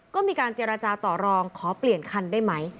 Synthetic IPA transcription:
kɔː˥˩miː˧kaː˧nt͡ɕe˧ɾaː˧t͡ɕaː˧t̪ɔː˨˩ɾɔː˧ŋkʰɔː˩˦pli˨˩ənkʰa˧ndaː˥˩jma˦˥j

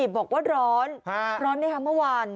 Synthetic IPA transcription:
i˨˩bɔː˨˩k̚waː˥˩ɾɔː˦˥nha˦ɾɔː˦˥nːa˥˩kʰa˦˥mɯ˥˩əwaː˧n

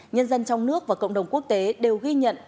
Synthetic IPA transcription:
ɲə˧nzə˧nt͡ɕɔ˧wŋ͡mnɨ˦˥ək̚vaː˨˩kə̰˧˨wŋ͡mɗə˨˩wŋ͡mku˦˥ək̚t̪e˨˦ɗe˨˩wɣi˧ɲə̰˧˨n

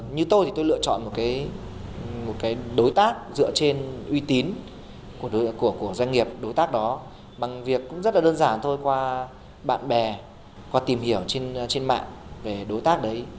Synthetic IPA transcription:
ɲɨ˧t̪o˧jt̪ʰi˨˩t̪o˧jlɨ̰˧ət͡ɕɔ̰˧˨nmo˨˩t̚kaː˨˦j | mo˨˩t̚kaː˨˦jɗo˨˦jt̪aː˦˥k̚zɨ̰˧˨ət͡ɕe˧nʔwi˧t̪i˨˦n | ku˧˩ə˨˦ku˧˩əku˧˩əzwa˧jŋ̟ŋi˨˩əp̚ɗo˨˦jt̪aː˦˥k̚ɗɔ˨˦ | ɓa˨˩ŋvi˨˩əkːʊ̰˧˥ŋ͡mzə˦˥t̚laː˨˩ɗəː˧nzaː˧˩nt̪ʰo˧jkwaː˧ | ɓa̰ː˧˨nɓɛ˨˩ | kwaː˧t̪i˨˩mhi˧˩əwt͡ɕe˧nt͡ɕe˧nma̰ː˧˨nve˨˩ɗo˨˦jt̪aː˦˥k̚ɗə˨˦j

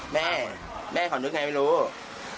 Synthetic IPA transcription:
mɛː˥˩ | mɛː˥˩kʰɔ˨˩˦nɯ˦˥ŋa˧ma˧˩˧ɾuː˦˥

